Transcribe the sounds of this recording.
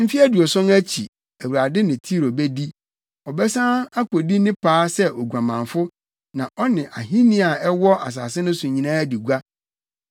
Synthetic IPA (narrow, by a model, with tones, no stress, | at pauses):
m̩˦fi˦æ˦du˨ɔ˨sɔ̃˦næ˦t͡ɕʰi˨ | æ˨wu˨ɾa˨dɪ˦nɪ̃˨tʰi˦ɾo˨bɛ˦di˦ | ɔ˨bɛ˦sã˦a˦ko˨di˦nɪ̃˦pʰaː˦sɛ˦ʔɔ˨ɡʷã˨mã˨ɱfʊ˦ | nã˨ʔɔ˦nɪ̃˨ʔa˨ɦĩ˦nĩ˦a˨ɛ˦wɔ˦ʔa̰˨s̬a̰ː˨sɪ˦nʊ̃˦sʊ̃˨ɲĩ˨nãː˦di˨ɡʷa˦